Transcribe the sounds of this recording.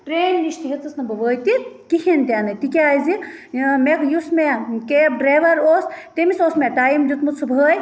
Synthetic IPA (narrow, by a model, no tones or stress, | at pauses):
ʈɾeːnniʃt̪iɦet͡sɐsnɐbɐʋəːjt̪ikihint̪ʲaːnɐjt̪ikʲeaːjzimekjusmekeɖɾaːʋɐɾoːst̪emisoːsmeʈaːjimd͡ʒut̪musʰubʱəːj